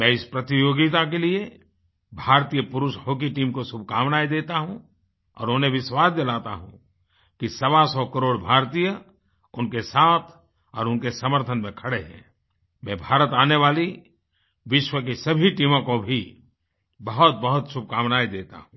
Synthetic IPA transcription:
mɛ̃ːɪspɾɐt̪ijoːɡit̪ak̬elie | bʱaːɾt̪ijəpʊɾʊʃhoːk̬iʈiːmkosʊbʱkaːʋnaːid̪eːt̪aɦũ | ɔ̰ːɾʊ̃ːnẽbɪswaːsd̪elaːt̪a̰ɦṵ̃ | kisɐʋasɔːkəɾoːɽbʱaːɾt̪iːjə | ʊnkesaːt̪ʰ | ɔːɾʊnkesɐməɾt̪ʰənmẽkʰɐɽeɦɛ̰̃ː | mɛ̃ːbʱaːɾət̪aːneʋaːli | ʋɪʃwəkisɐbʱiʈiːmõkobʱi | bɐɦʊt̪̚bɐɦʊt̪sʊb̚ʱkaːʋnaːid̪eːt̪a̰ɦũː

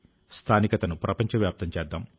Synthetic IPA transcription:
st̪ʰaːnikɐt̪ɐnupɾɐpɐɲt͡ʃɐʋjaːp̚t̪ɐmt͡ʃɛːd̪ːam

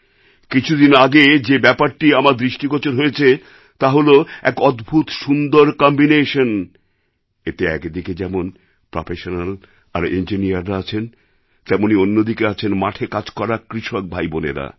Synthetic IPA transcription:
kit͡ɕʰud̪inaɡed͡ʑebɛpaɾʈiamaɾd̪ɾiʃʈikot͡ɕoɾɦojet͡ɕʰe | t̪aɦoloɛ̰kɔd̪bʱut̪ʃund̪oɾkɔmbineʃon | et̪eɛkd̪iked͡ʑɛmon | pɾofʰeʃonal | a̰ɾend͡ʑinijaɾːaat͡ɕʰen | t̪ɛmonionːod̪ikeat͡ɕʰenmaʈʰekad͡ʑkɔɾakɾiʃok̚bʱajbonḛɾa̰

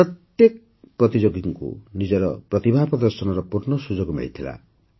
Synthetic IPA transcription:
ɾɔt̪jek | pɾɔt̪id͡ʒoɡiŋkṵnid͡ʒɔɾɔpɾɔt̪ibʱaɦpɾɔd̪ɔɾsɔnɔɾɔpuɾnɔsud͡ʒoɡmḛɭit̪ʰila̰

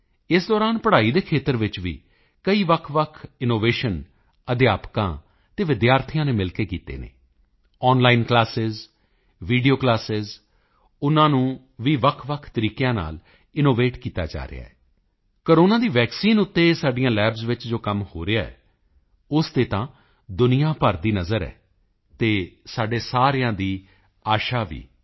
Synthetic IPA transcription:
ɪsd̪ɔːɾaːnpəɽaːiːd̪eːkʰeːt̪əɾʋɪt͡ʃʋḭː | kəiːʋəkʰʋəkʰɪnoːʋeːʃən | əd̪ɪjaːpkã̰ː | t̪eːʋɪd̪jaːɾt̪ʰɪjãːneːmɪlkeːkiːt̪ḛːnḛː | ɔːnlaːɪnklaːsɪz | ʋiːɖijoːklaːsɪz | ʊnãːnũː | ʋiːʋəkʰʋəkʰt̪əɾiːkejãːna̰ːl | ɪnoːʋeːʈkiːt̪a̰ːd͡ʒa̰ːɾḛɪ̰a̰ːɛː | koːɾoːnãːd̪iːʋɛːksiːnʊt̪ːeːsaːɖijãːlɛːbzʋɪt͡ʃd͡ʒoːkəmhoːɾeaːɛ̰ː | ʊst̪eːt̪ãː | d̪ʊnɪjãːpəɾd̪iːnəzəɾɛ̰ː | t̪eːsaːɖeːsaːɾɪjãːd̪iː | aːʃaːʋḭː

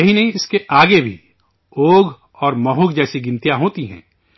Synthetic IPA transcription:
ɐɦinɐɦĩɪskeʔaːɡebʱḭ | oːɡ | ɔːɾmɔɦʊɡd͡ʒɛːsiɡɪ̃nt̪jaɦoːt̪iɦɛ̰̃ː

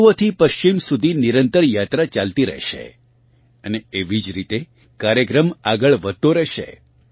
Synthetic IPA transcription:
ʋət̪ʰipəʃt͡ʃimsud̪ʱiniɾənt̪əɾjat̪ɾat͡ʃalt̪iɾə̰ɦʃḛ | əneeʋid͡ʒɾit̪e | kaɾjəkɾəmaɡəɭʋət̪ːoɾɛɦʃḛ

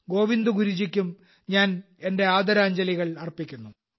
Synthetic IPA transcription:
ɡo̞ːʋind̪uɡuɾud͡ʑikʲːum | ɲaːn | e̞nde̞aːd̪ɐɾaːɲd͡ʑɐliɣɐɭɐrpikʲːunːu

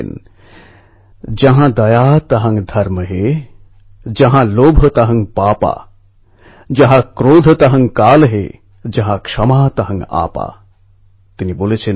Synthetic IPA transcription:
n | d͡ʒɐɦãd̪ɐjaːt̪ɐɦɐ̃ŋɡd̪ʱɐɾməɦe | d͡ʒɐɦãloːbʱət̪ɐɦɐ̃ŋɡpaːpa̰ː | d͡ʒɐɦãkɾoːd̪ʱət̪ɐɦɐ̃ŋɡkaːlɦḛ | d͡ʒɐɦãkʂɐmaːt̪ɐɦɐ̃ŋɡa̰ːpa̰ː | t̪iniboːlet͡ʃʰe

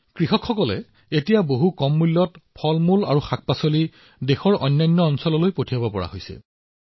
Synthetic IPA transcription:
kɹixɔkxɔkɔlɛ̰ | etijaboɦukɔmːulːɔtpʰɔlmula̰ɹuxak̚pasoli | dexɔɹɔjnːajnːɔɔnsɔlɔlojpotʰijabɔpɔɹa̰ɦojsɛ̰

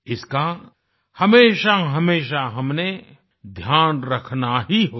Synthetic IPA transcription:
ɪska | hɐmeːʃaɦɐmeːʃaɦɐmne | d̪ʱjaːnɾɐkʰnaɦiɦoː

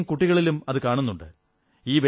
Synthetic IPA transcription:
mkuʈːiɣɐɭilumɐðɨkaːɳunːuɳɖɨ̰ | iːʋe

